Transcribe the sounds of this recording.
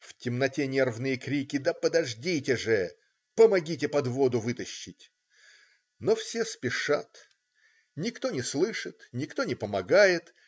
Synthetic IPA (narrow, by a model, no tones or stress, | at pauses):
ftʲɪmnɐtʲenʲervnɨjəkɾʲikʲɪd̪əpəd̪ɐʐdʲitʲɪʐɨ | pəmɐɡʲitʲɪpɐd̪vo̞d̪ʊvɨt̪əɕːɪtʲ | nofsʲespʲɪʂa̰t̪ | nʲɪkt̪o̞nʲɪslˠɨʂɨt̪nʲɪkt̪o̞nʲɪpəmɐɡajɪt̪